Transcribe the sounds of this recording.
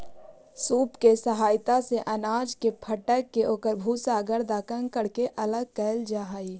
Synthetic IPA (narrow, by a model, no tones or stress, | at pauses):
suːpkesəɦaːɪt̪aseʔənaːd͡ʒkepʰəʈəkːeʔoːkəɾbʱuːsaːɡəɾd̪aːkə̃ŋɡkəɽkeʔələɡ̚kɛːld͡ʒaɦaːi